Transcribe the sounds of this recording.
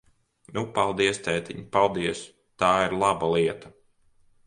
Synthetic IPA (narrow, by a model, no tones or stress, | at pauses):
nupalˠd̪iɛst̪ɛt̪ʲiɲpalˠd̪iɛs | t̪aːiɾlˠabalˠiɛt̪a